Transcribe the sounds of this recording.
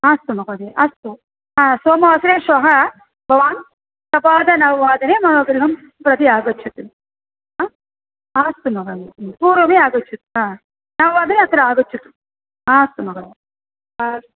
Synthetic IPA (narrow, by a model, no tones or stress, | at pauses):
aːst̪umɐɡɐd̪eʔɐst̪u | ɦaːsoːmɐɐsɾeːʃoːɦɐ | bʱɐʋaːn | t̪ɐpaːd̪ɐnɐʋɐʋaːd̪ɐneːmɐnoːɡɾiɦɐm | pɾɐt̪iaːɡɐt͡ʃʰːut̪ːun | aː | aːst̪umɐɡɐd̪enpuːɾʋɐmeːaːɡɐt͡ʃʰːut̪ːuɦaː | nɐʋɐʋaːd̪ɐneɐt̪ɐɾuaːɡɐt͡ʃːut̪ːu̥ | aːst̪umɐɡɐd̪e | a